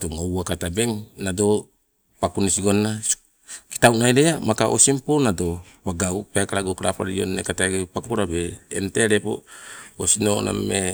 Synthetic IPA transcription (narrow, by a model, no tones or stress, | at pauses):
toŋowakatabe̞ŋnado̞ | pakunisiɡo̞nːa | ki̥tawnajɾeamakaʔosimponado̞paɡawpeakaɾaɡokaɾapa̰ɾio̰nːḛkataɡepakuɾabḛːnteɾepo̰osino̰na̰me